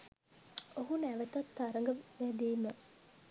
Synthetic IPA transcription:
oɦunæʋət̪at̪ːaɾəŋɡəʋæd̪iːmə

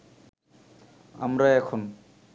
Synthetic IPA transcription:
a̰mɾaɛkʰon

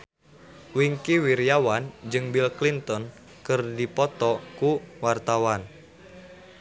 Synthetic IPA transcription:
wiŋkiwiɾjawand͡ʒɨŋbilklint̪ɔn | kɨrdipɔt̪ɔkuwart̪awan

